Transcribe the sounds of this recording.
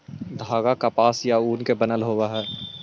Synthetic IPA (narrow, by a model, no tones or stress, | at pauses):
d̪ʱaːɡakapaːsjauːnkebɐnəlɦoːwaɦɛː